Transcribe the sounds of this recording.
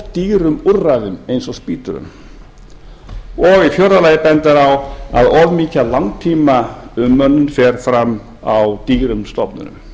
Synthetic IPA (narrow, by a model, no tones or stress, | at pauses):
t̪iːɾʏmurːaðʏmejnsɔspiːt̪ʏɾʏ̰m | ɔɣifjɔwɾðalaːjɪpɛnt̪aɾawa̰ðɔvmiːcalawŋt̪ʰiːmaʏmːœnːʏnfɛɾ̥fɾamː | awt̪iːɾʏmst̪ɔpnʏ̰nʏ̰m